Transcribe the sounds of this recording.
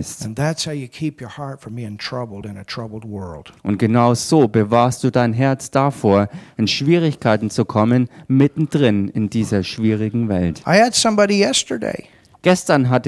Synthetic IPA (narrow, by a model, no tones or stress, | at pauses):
stnðætshaʊjɨkʰipʰjə˞hɑɹtfə˞miɨ̃ntʰɹ̥ʌbl̩ˠdɨ̃nɨtʰɹ̥ʌbl̩ˠd̚wɜ˞l̩ˠd̥ʔʊ̰nt̚ɡ̥ənaʊzoːbəvaːɐst̚d̥uːdaɪnɦɛɐt͡sd̥afoːɐɪnʃv̥iːʁ̞ɪçkʰaɪtn̩t͡sukʰɔmənmɪtn̩dʁɪnɪndiːzɐʃv̥iːʁ̞ɪɡŋ̩vɛ̰ltʔaɪɨd̥sʌ̃mbɑɾijɛstə˞dḛɪ | ɡ̥ɛstɐnɦat